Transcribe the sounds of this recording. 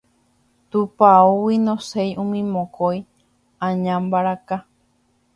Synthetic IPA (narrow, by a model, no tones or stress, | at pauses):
t̪upauwinõsejũmĩmõkoj | ãɲãmbaɾaka